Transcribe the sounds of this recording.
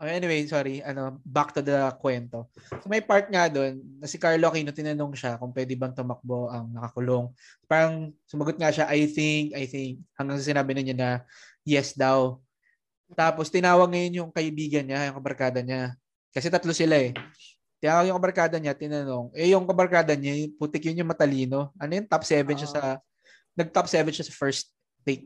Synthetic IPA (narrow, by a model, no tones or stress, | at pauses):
ʔoʔɛnɪwejsoːɾiʔɐno̞bak̚t̪ʊd̪ɐkwɛnt̪o̞somɐjpaɹt̪̚ŋad̪o̞nːɐsɪkaɹloɐkiːnot̪ɪnɐnoŋʃakʊŋpwɛːd̪ɪbɐŋt̪ʊmɐk̚bo̞ʔɐŋnɐkɐkʊlo̞ŋ | paːɾɐŋsʊmɐɡot̪̚ŋɐʃaʔajθɪŋkʔɐjθɪŋk̚hɐŋɡaŋs̬ɐsɪnaːbɪnɪɲanɐ | jɛsd̪aw | t̪aːpost̪ɪnaːwɐɡ̚ŋɐjonjʊŋkɐʔɪbiːɡɐnɲajʊŋkɐbɐɾkaːd̪ɐɲa | kɐsɛt̪ɐt̪losɪlaɛ | t̪ɪnaːwɐɡjʊŋkɐbɐɾkaːd̪ɐɲat̪ɪnɐno̞ŋʔɛjʊŋkɐbɐɾkaːd̪ɐɲaput̪ɪkjʊnjʊŋmɐt̪ɐliːno̞ʔɐnojʊnt̪apsɛvɛnʃasɐ | nɐɡ̚t̪apsɛːvɛnʃasɐfɛɹst̪̚ | tejt̪̚